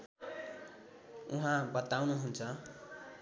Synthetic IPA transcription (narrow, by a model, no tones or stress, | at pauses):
uɦãbʌt̪awnuɦunt͡sʰʌ